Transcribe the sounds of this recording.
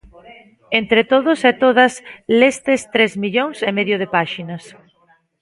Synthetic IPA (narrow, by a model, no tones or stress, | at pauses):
ent̪ɾet̪oðʊseɛt̪oðɐslest̪est̪ɾezmiʎoŋsemeðjoð̞epaʃinɐs